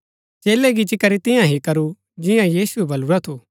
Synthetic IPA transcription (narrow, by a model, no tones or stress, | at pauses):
t͡ʃeːlɛɡit͡ʃɪkɐɾit̪ɪjãɦikɐɾu | d͡ʒɪjãjiːsuebʱɐluɾat̪ʰoː